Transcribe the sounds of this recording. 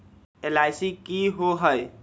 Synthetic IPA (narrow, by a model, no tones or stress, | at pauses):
elajsikiɦoɦəj